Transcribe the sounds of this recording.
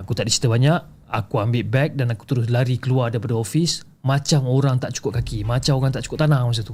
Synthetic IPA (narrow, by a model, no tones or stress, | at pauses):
akut̪aʔdit͡ʃi̥t̪əbaɲaʔ | akuambɪlbɛk̚danaku̥t̪əɾʊslaɾikəluardaɾipadaofis | mat͡ʃamoɾaŋt̪aʔt͡ʃu̥kʊp̚kakimat͡ʃamoɾaŋt̪aʔt͡ʃu̥kʊp̚t̪anaŋmas̬at̪u